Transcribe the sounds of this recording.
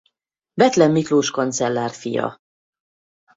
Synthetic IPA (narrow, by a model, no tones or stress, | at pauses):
bɛt̪lɛmːikloːʃkont̪sɛlːaːrfḭjɒ̰